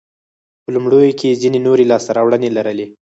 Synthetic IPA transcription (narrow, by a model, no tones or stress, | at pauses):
pəlumɽojokezinenoɾelɑst̪aɾɑwɽənelaɾəle